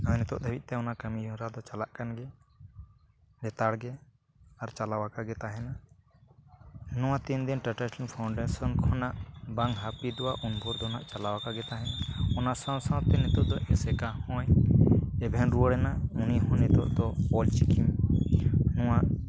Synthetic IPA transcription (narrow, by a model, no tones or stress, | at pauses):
anɛt̪ɔʔd̪ʱəbit̪̚ˀt̪ɛɔnaʔkəmijuɾad̪ɔt͡ʃalaʔkanɡɛ | lɛt̪aɽɡɛ | aɾt͡ʃalawakaɡɛt̪aɦɛna | nɔ̃w̃at̪ind̪inʈaʈɛsɔnpʰawɳɖɛsɔnkʰɔnaʔbaŋɦapid̪ɔwaʔunbʱuɾd̪ɔnaʔt͡ʃalawakaɡɛt̪aɦɛnaɔnasãwsãt̪ɛnit̪ɔʔd̪ɔʔɛsɛkahɔ̃j | ɛbʱɛnɾuəɽɛnauniɦɔ̃nɛt̪ɔ̰ʔd̪ɔpɔlt͡ʃikʰim | nɔwaʔ